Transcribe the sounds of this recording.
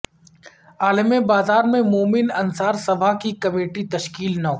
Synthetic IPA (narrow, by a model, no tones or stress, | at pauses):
aːlɪmẽbaːzaːɾmẽmoːmɪnɐnsaːɾsɐbʱakikɐmeːʈit̪ɐʃkiːlnɐ